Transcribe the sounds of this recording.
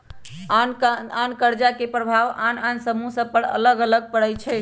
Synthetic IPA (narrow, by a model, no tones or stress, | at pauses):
anankəɾd͡ʒakepɾəbʱaʋanansəmusə̃pəɽə̰ləɡələɡ̚pəɽɛjt͡ʃʰɛ